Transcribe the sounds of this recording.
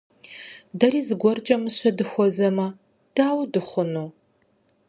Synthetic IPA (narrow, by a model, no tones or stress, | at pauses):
dɐriːzɨɡʷɔrt͡ʃʼɐmɨɕɐdɨxʷɔzɐmɐ | d̥aːwdɨχʷʊnuː